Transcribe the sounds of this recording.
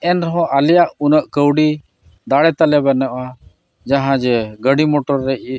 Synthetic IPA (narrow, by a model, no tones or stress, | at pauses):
ɛnɾɔɦɔ̃ʔalijaʔunəʔkəwɽi | d̪aɽɛt̪alɛbanɛʔa | d͡ʒaɦãd͡ʒɛɡəɽimɔʈɔɾːɛʔ̚